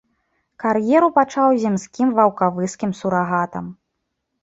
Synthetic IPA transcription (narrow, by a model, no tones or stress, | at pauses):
karjɛɾupat͡ʂawzʲamsʲkʲimvɐwkavɨskʲimsuɾaɣat̪ɐ̰m